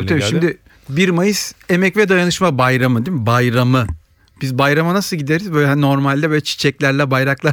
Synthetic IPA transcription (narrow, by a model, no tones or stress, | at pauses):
abiʃimd̪ɪ | biɾmajɯse̞mɛcvɛd̪ajanɯʃmabajɾamɯd̪emibajɾamɯ | b̥izbajɾamanasɯlˠɟid̪eɾizbø̞ːjlʲɛno̞ɾmalʲd̪ɛbøːlʲɛt͡ʃʰi̥t͡ʃʰɛclʲæɾlʲɛbajɾaklˠa